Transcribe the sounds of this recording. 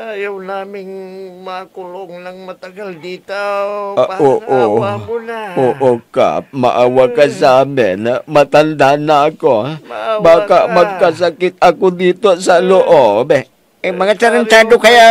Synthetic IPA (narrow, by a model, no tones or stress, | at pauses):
ajawlamɪŋmakuloŋlaŋmat̪aɡaldit̪ | oʔo | oʔoka̰ma̰ʔawakasamɛnamat̪and̪anakobakaʔmakːas̬akɪt̪̚akud̪it̪osaloʔɔbɛ | emaŋat͡ʃaɾənt͡ʃ̪adokaja